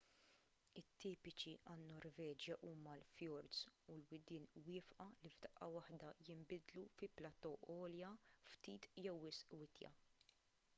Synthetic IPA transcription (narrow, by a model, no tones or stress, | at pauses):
ɪt̪ːiːpɪt͡ʃiʔɐnːɔɾvɛːd͡ʒjɐʔuːmɐlfjɔɾd̪sulwɪd̪ɪːnwɪːfʔɐlivd̪ɐʔːɐwɐħd̪ɐjɪmbɪd̪lufɪplɐt̪ɔʔɔːljɐft̪iːt̪jɛwːɪsʔwɪt̪jɐ̰